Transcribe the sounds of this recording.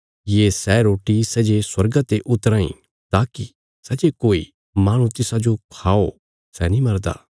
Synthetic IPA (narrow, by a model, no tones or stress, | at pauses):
jesɛɾoːʈisɐd͡ʒeswɐɾɡat̪eʔʊt̪ɾãːḭ̃ | t̪aːki | sɐd͡ʒekoːḭ | maːɽ̃ũt̪ɪsãd͡ʒokʰaːo | sɛnĩmɐɾd̪a̰ː